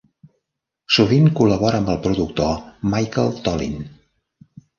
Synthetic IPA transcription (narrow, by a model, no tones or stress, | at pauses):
suβiŋkuləβɔɾəəmbəlˠpɾuðuk̚t̪omajkəlˠt̪ɔlḭn